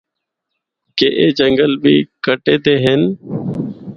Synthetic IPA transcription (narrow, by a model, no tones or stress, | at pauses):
keːʔeːd͡ʒəŋɡəlbʱiːkəʈeːd̪eːɦɪn